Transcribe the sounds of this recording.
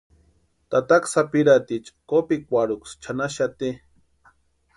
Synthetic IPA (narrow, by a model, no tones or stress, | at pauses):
t̪at̪aksapiɾat̪it͡ʃkopikʷaɾukst͡ʃʰanaʃat̪i